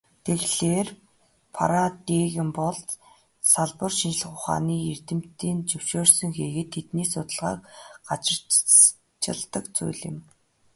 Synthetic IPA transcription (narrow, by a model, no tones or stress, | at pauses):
t̪ʰeɣɮeːr | pʰa̰ɾat̪iːɣɪ̆mpɔɮt̪ | saɮpə̆rʃint͡ɕɪ̆ɮ̆χʊχa̰ːniːer̥t̪ɘ̆m̥t̪iːnt͡ɕɵw̥ʃoːrsɵ̆ŋxeːɣɘ̆t̪ʰːet̪niːsʊt̪ə̆ɮʁa̰ːkɢat͡ɕɪ̆r̥ | t͡ɕɪ̰̆ɮt̪ə̆kt͡sṵjɮɪ̆m